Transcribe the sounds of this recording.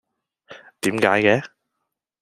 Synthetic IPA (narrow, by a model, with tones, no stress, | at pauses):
t̪iː˨˥mkaː˨˥jkɛː˨˥